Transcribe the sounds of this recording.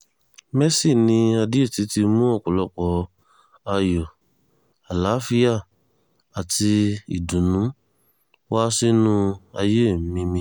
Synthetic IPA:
mɛ˦si˦˨nĩ˧a˧di˦o˦˨ti˨˧˦ti˧mũ˦ɔ˦˨kɔ˨lɔ˧k͡pɔ˨ | a˧jɔ˨ | a˨la˨˦fi˦a˦˨ | a˨ti˧ḭ˨dũ˨nũ˨˦ | wa˦si˦nũ˦a̰˧je˦˨m̩˦mĩ˧mĩ˧˦

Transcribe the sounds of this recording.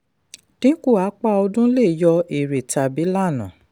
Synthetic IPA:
nĩ˦ku˦˨a˨˦k͡pa˦ɔ˧dũ˦le˦˨jɔ˧e˨ɾe˨ta˧˨bi˨˦la˦˨nã̰˨

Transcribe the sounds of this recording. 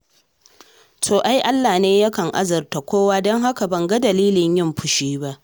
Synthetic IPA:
tʰoː˨ʔa˦jʔa˦lːaː˨neː˦ja˦kɐ˨ŋʔa̰˦zɐ˨rta˨kʷoː˦waː˦dɔ˦ŋɦa˦ka˨bɐ˨ŋɡa˦dɐ˨liː˦lɪ˨ɲjɪ˦mɸʊ˨ʃiː˦ba˦ʔ

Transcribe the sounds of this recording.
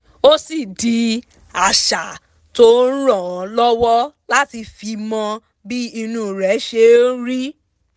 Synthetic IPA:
o˦si˨di˨˧ | a˨ʃa˨ | to˦n̩˦ɾɔ̃˨˦lɔ˦wɔ˦la˦ti˧fi˧mɔ̃˧ | bi˦i˧nũ˦˨ɾɛ˨˦ʃe˧˦ɾi˦

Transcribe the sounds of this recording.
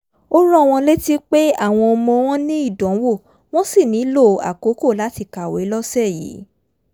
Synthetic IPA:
o˦ɾ̃ũ˦˨w̃ɔ̃˧le˦ti˦k͡pe˦a˦˨w̃ɔ̃˧o˧mɔ̃˧w̃ɔ̃˦nĩ˦i˦˨dɔ̃˨˦wo˦˨ | w̃ɔ̃˦si˦˨nĩ˨˦lo˦˨a̰˨ko˨˦ko˦˨la˨˦ti˧ka˨we˨˦lɔ˦sɛ˦˨jḭ˨˦

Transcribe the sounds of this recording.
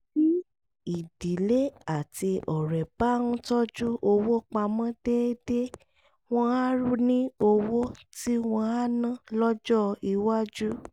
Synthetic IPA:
i˦ | i˨di˨le˦a˦˨ti˧ʔɔ˨ɾɛ˨ba˦nũ˦tɔ˦d͡ʒu˦ʔo˧wo˦k͡pa˧mɔ̃˦d̥e˦de˦ | w̃ɔ̃˧a˦ɾu˦nĩ˦o˧wo˦ti˦w̃ɔ̃˧a˦nã˦˨lɔ˦d͡ʒɔ˦i˧wa˦d͡ʒu˦

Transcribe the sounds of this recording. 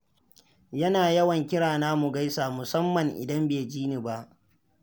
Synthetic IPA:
jɐ˦naː˨jɐ˦wɐ˨ŋkʲɪ˦ɽaː˨naː˦mu˨ɡa˦jsaː˨mʊ˨sɐ˦mːɐ˨ŋʔɪ̰˨dɐ˦mbeː˨d͡ʒiː˦ni˨ba˦ʔ

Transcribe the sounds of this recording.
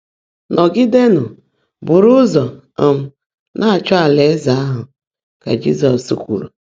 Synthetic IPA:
nɔ˨ɡɪ˦de˦nʊ˨ | bʊ˨ɾʊ˦zɔ˨ | m̩˦ | nʔa˦˨t͡ʃɔ˦a˨le˨˦za˦a˦ɦʊ˨ | ka̰˨d͡ʒi˦zɔ˨sṵ˨kʷṵ˨ɾṵ˨

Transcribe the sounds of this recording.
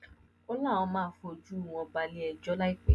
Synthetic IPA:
ɔ˦la˦˨w̃ɔ̃˧mãː˦fo˧˨d͡ʒu˦˨w̃ɔ̃˧ba˧li˦ɛ˧d͡ʒɔ˦la˦i˦k͡pe˦

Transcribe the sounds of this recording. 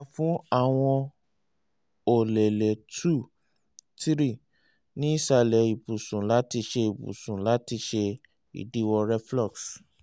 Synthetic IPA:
fũ˦a˦˨w̃ɔ̃˧ | o˨lɛ˨lɛ˨tʰu˦˨ | ti˦ɾi˦˨ | nĩ˨˦i˦˨ʃa˨lɛ˨i˨bu˨sũ˨la˨˦ti˧ʃe˧i˨bṵ˨sũ˨la˨˦ti˧ʃe˧ | ḭ˨di˨˦wɔ˧ɾɛ˦flɔ˦˨ks

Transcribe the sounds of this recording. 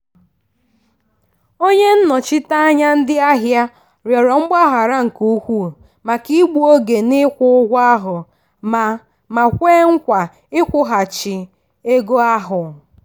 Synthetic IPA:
o˦ɲe˦n̩˦nɔ˨t͡ʃɪ˦ta˦a˦ɲa˦n̩˦dɪ˦a˦ɦja˦ | ɾjɔ˨ɾɔ˨ŋ͡m̩˦ɡ͡ba˦ɦa˨ɾa˦ŋ̩˨ku˦kʷu˦˨ | ma˨ki˦ɡ͡bu˦o˦ɡe˨nɪ˦kʷʊ˦ʊ˦ɡʷa˦ɦʊ˨ | m˨ | ma˨kʷeː˦ŋ̩˦kʷa˨ | ɪ˦kʷʊ˦ɦa˨t͡ʃɪ˨ | e˦ɡo˦a˦ɦʊ˨

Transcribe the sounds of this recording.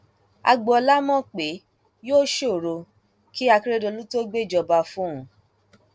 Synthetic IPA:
a̰˧ɡ͡bɔ˧˨ɔ˧la˦mɔ̃˦˨k͡pe˨˦ | joː˦ʃo˦˨ɾo˧ | ki˦a˧ki˦ɾe˦do˧lu˦to˦ɡ͡be˦˨d͡ʒɔ˧ba˧fũ˦ũ˨˧

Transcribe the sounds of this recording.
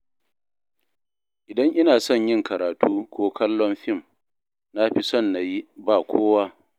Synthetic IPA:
ʔɪ˨dɐ˦ŋʔɪ˦naː˨sɔ˦˨ɲjɪ˦ŋkɐ˨ɾaː˨tuː˦kʷoː˦kɐ˦lːɔ˦mɸɪ˦˨m | na˦ɸi˦sɔ˦˨nːa˨ji˦baː˨kʷʰoː˦waː˦

